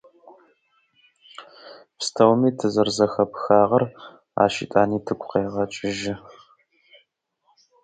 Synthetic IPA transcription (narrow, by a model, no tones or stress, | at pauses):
pstʰɐwmiːtʰɨzɐrzɐxɐpxaːʁɐr | a̰ːʃḭtʼaːniːtʰɨkʷʰʼqeːʁɐt͡ʃʼɪʒɪ